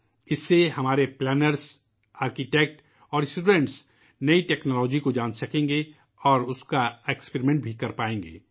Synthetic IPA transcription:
ɪsːehɐmaːɾeplɛːnəɾs | aːɾkiʈɛːk̚ʈ | ɔːɾɪsʈuːɖẽːɳʈs | nɐiʈɛːknɔːlɔːd͡ʒikod͡ʒaːnsɐkẽːŋɡe | ɔːɾʊskaekspeɾimẽɳʈbʱikɐɾpaːẽːŋɡḛː

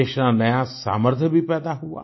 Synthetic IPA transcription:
eːʃnanəjasa̰ːməɾt̪ʰjəbʱipɛːd̪aɦua̰ː

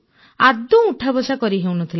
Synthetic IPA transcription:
ad̪ũuʈʰabɔsakɔɾiɦewnɔt̪ʰil

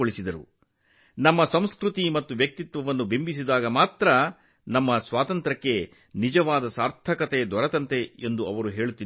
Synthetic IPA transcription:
oɭisid̪ɐɾṵ | nɐmːɐsɐmskɾut̪imɐt̪ːuʋjɐk̚t̪it̪ʋɐʋɐnːubimbis̬id̪aːɡɐmaːt̪ɾɐ | nɐmːɐsʋaːt̪ɐnt̪ɾɐkːe̞ | nid͡ʒɐʋaːd̪ɐsaːɾt̪ʰɐkɐt̪ed̪ɔɾɐt̪ɐnt̪e̞end̪uɐʋɐɾuɦe̞ːɭut̪ːi

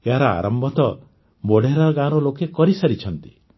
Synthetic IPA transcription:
eɦaɾɔa̰ɾɔmbʱɔt̪ɔ | boɽeɾaɾɡaɾɔlokekɔɾisaɾit͡ʃʰɔnt̪i̥

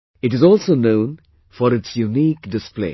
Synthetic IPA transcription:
ɨʈɨzɔlˠsoʊnõʊ̃n | fəɾɨtsjuniːkdɪsplḛɪ

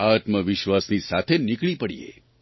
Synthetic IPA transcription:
at̪məʋɪʃʋasnisat̪ʰenɪkɭipəɽḭḛ

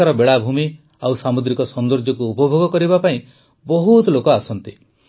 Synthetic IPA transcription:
aɾɔbeɭabʱumi | awsamud̪ɾikɔsɔnd̪ɔɾd͡ʒɔkuːpɔbʱoɡɔkɔɾibapaĩ | bɔɦut̪lokɔasɔnt̪i

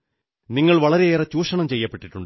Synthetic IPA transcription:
niŋːɐɭʋɐɭɐɾeeːrɐt͡ɕːuːʂɐɳɐmt͡ɕejːɐpːe̞ʈːiʈːuɳɖɨ

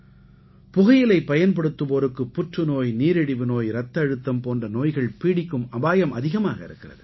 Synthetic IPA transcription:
pʊɣɐjɪlɐɪpːɐjɐnpɐɽɯt̪ːɯpoːɾɯkːɯpːʊʈrɯnoːjniːɾɛɽɪʋɯnoːjɾɐt̪ːɐːɻɯt̪ːɐmpoːndrɐnoːjɣɐɭpiːɽɪkːɯmɐbaːjɐmʔɐðɪɣɐma̰ːɣɐɪ̰ɾɯkːɪrɐðɯ

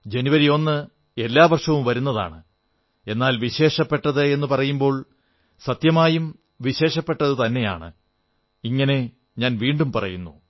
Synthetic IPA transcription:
d͡ʑe̞nuʋɐɾijo̞nːɨ | e̞lːaːʋɐrʂɐʋumʋɐɾunːɐða̰ːɳɨ | e̞nːaːlʋiɕe̞ːʂɐpːe̞ʈːɐðɨe̞nːɨpɐrɐjumbo̞ːɭ | sɐt̪jɐmaːjum | ʋiɕe̞ːʂɐpːe̞ʈːɐðɨt̪ɐnːe̞ja̰ːɳɨ̰ | iŋːɐne̞ | ɲaːnʋiːɳɖumpɐrɐ̰junːu

